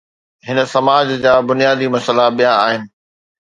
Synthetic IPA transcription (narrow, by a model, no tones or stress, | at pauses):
ɦɪnə̆sɐmaːd͡ʑd͡ʑaːbʊnijaːd̪imɐsəlaɓijãaːɦɪnɪ̆